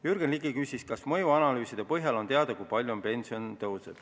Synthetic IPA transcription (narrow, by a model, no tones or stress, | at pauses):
jyrɡ̥enliɡikysʲiskɑsmɤjuɑnɑlyːsid̪e̞pɤɦjɑlo̞nt̪eɑd̪̥ɑkujpɑlʲjuonpe̞nsio̞nt̪ɤw̪sed̪̥